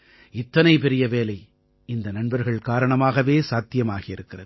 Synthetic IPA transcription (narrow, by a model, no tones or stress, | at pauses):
ɪt̪ːɐnɐɪpɛɾɪjɐʋeːlɐɪ | ɪnd̪ɐnɐɳbɐɾɣɐɭkaːɾɐɳɐmaːɣɐʋeːsaːt̪ːɪjɐmaːɣɪjɪɾɯkːɪrɐðɯ